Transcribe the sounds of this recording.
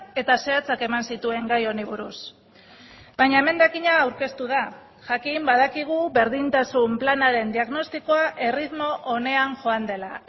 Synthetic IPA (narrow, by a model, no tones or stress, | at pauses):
e̞t̪ase̞at͡sake̞mansit̪ue̞ŋɡajo̞niβ̞uɾus | bajɲaeme̞nd̪akiɲaːwɾke̞st̪uð̞a | ʝakimbaðakiɣ̞uβe̞ɾðint̪asumplanaɾe̞nd̪iaɣno̞st̪iko̞aʔe̞rit̪mo̞ʔone̞aŋʝo̞and̪e̞la